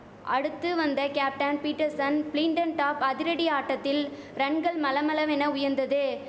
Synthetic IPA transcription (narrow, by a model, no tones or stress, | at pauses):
ʔɐ̰ɽɯt̪ːɯʋɐnd̪ɐkaːp̚ʈɐnpiːʈːɐɾsɐnpliːɳɖɐnʈaːpɐðɪɾɐɽiaːʈːɐt̪ːɪl | ɾɐɳɡɐɭmɐlɐmɐlɐʋɛnɐʊjɐɾnd̪ɐðɯ